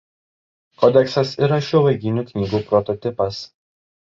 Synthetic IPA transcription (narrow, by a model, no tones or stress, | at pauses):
kɔd̪ʲɛksɐsiˑɾɐʃʲuːʋɐɪɡʲɪnʲuːˑknʲiːɡuːpɾɔt̪ɔt̪ʲɪpɐs